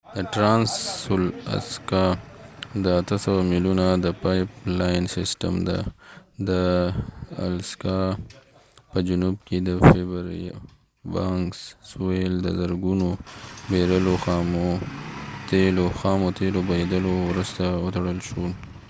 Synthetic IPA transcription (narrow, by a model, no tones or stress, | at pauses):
d̪əʈɾɑnsːula̰skɑ | d̪əat̪əsawamilunad̪əpajplajnsɪsʈə̰md̪a̰d̪ə | a̰lskɑ | pəd͡ʒʊnubked̪əfebəɾ̰ | bɑŋkssueld̪əzaɾɡunobeɾəloxɑmo | t̪eloxɑmot̪elobajed̪əlowɾəst̪aət̪aɽəlʃul